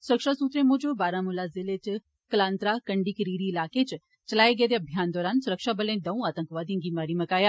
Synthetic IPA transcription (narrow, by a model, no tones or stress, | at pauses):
sʊɾəkʃasuːt̪ɾẽmʊ̃d͡ʒobaːɾãmulazɪlet͡ʃ | kəlaːnt̪ɾakɐɳɖiːkəɾiːɾiːlaːket͡ʃ | t͡ʃɐlaːeɡeːd̪eɐbʱjaːnd̪ɔːɾaːnsʊɾəkʃabəlẽːd̪ɐũaːt̪ə̃ŋkʋaːd̪ĩɡiːmaːɾimɐkaːjaː